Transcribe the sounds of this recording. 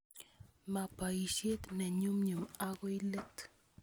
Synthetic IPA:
mapaiʃet̪neɲumɲuaɣoilet̪

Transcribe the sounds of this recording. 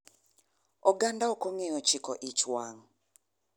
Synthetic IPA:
ɔɡandaokoŋejɔt͡ʃikɔʔit͡ʃwaŋ

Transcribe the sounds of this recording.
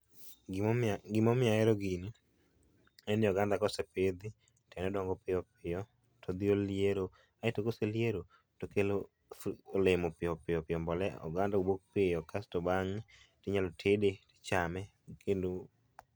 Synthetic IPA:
ɡɪmɔmɪaɛɾɔɡini | ɛnjɔɡandakɔseped̪i | tʰɛnɛdɔŋɡɔpɪjɔp̚ɪjɔ | tʰod̪ɪoljeɾo | aɛtokoseljeɾo | tokelo | lemopɪɔpɪjɔpɪjɔmbɔlɛɔ̰ɡandaobok̚pɪɔkastɔbaŋ | tɪɲalotʰedetɪ̥t͡ʃamɛ | kendo

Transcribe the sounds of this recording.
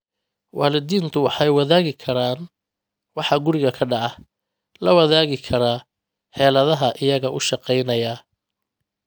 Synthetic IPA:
wɑːlɪd̪iːnt̪ʰʊwɑħɑjwɑðaːɣɪkʰɐɾaːn | wɑħɑɡʊɾɪɣɐkʰɐɖɑʕɑ | lɐwɐðaːɣɪkʰɐɾaː | ħɛːlɐðɐɦɐʔɪjɐɣɐʔʊʃɑqɛjnɐja

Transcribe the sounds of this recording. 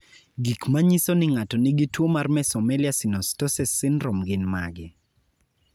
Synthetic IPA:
ɡikmaɲisonɪŋatɔnɪɡɪtwomarmɛsɔmɛlɪasɪnɔstɔsɛsɪnɾomɡɪnma̰ɡɪ

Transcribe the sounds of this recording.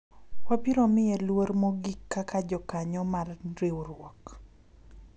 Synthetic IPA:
wapiɾomɪelwoɾmoɡikːakad͡ʒɔkaɲɔmarɾewɾwɔk

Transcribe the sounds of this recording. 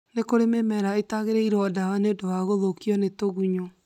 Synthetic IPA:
nekoɾememɛɾaetaɣeɾɛiɾɔdawaneodowaɣoðokiɔnetoɣuɲo

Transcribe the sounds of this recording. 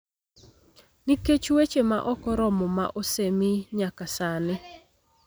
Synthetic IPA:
niket͡ʃwet͡ʃema̰ʔɔkɔɾɔmɔma̰ʔosemɪɲakasanɪ

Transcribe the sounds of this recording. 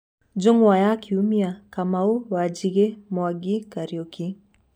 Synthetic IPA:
d͡ʒoŋwajakʰiumiakamauwad͡ʒiɣemwaɡikaɾioki

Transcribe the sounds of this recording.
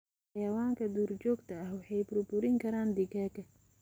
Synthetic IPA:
ɑjɐwaːŋkʰɐd̪uːrt͡ʃɔːɡt̪ʰɐɐhwɑħɑjbʊrbʊɾɪŋkʰɐɾaːnd̪ɪɡaːkʰɐ

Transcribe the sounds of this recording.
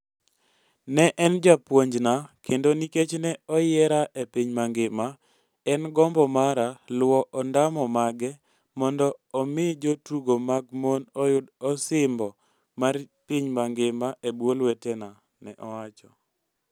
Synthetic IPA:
nɛʔɛnd͡ʒapwoɲd͡ʒnakʰendoniket͡ʃnɛɔjɛɾaʔepiɲmaŋɡɪma | ɛnɡɔmbɔmaɾalwɔʔɔndamɔmaɡɛ | mɔndɔɔmɪd͡ʒotuɡomaɡmonɔjʊdɔsɪmbɔ | marpiɲmaŋɡɪmaebwolwɛtɛna | nɛ̰ʔɔwat͡ʃɔ

